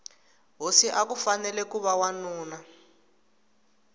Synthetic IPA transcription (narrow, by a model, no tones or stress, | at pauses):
ɦosiʔakufanɛlɛkuβawanuːna